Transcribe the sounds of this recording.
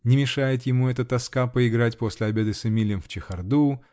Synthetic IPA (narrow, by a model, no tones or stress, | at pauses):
nʲɪmʲɪʂajɪt̪jɪmuɛt̪ət̪ɐskapəɪɡɾatʲpo̞sʲlʲɪɐbʲe̞d̪ɨsɪmʲilʲɪjɪmft͡ɕɪxɐrd̪u